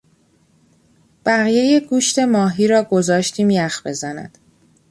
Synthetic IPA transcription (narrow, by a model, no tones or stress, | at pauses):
b̥æɣije̞je̞ɡuːʃt̪ʰe̞mɒːɦiːɾɒːɡo̞zɒːʃt̪ʰiːmjæxb̥e̞zænæ̰d̪̥